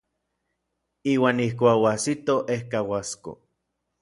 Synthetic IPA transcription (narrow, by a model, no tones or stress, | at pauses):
iːwaːnihkʷaːkwasit̪oʔehkawasko̰